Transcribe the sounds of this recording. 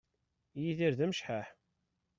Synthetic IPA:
jiðiɾðæmʃħaħ

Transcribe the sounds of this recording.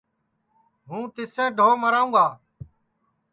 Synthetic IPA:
ɦũːt̪ɪsẽːɖʱoːməɾaːũːɡaː

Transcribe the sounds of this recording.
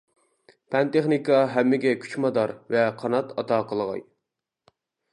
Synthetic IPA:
pʰɛnt̪eχnikɑɦɛmːɪɡʲɛkʲʰy̥t͡ʃmɑd̪ɑɾvɛqʰɑnɑt̪ɑt̪ʰɑːqʰəlˠəʁɑ̰j

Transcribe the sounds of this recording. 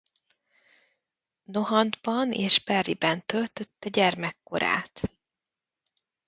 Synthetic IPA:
no̞ɦɒnd̪bɒneːʒbɛrːibɛnt̪ølt̪ø̞t̪ːɛɟɛrmɛkːo̞̰ɾa̰ːt̪

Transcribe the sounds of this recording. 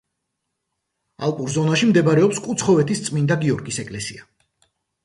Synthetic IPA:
a̰lˠpʼuɾzɔnaʃimd̪ɛbaɾɛɔpskʼut̪sʰχɔvɛt̪ʰist̪sʼmind̪aɡiɔɾɡisɛkʼlɛsia

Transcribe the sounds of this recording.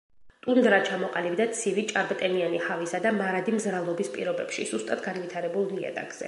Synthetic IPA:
t̪ʼund̪ɾat͡ʃʰamɔqʼalibd̪at̪sʰivit͡ʃʼaɾbt̪ʼɛmianihavisad̪amaɾad̪imzɾavlˠɔbispʼḭɾɔbɛpʃḭz̥ust̪ʼat̪ʰɡanvit̪ʰaɾɛbulˠniɛ̰d̪ʼa̰ɡz̥ɛ̰

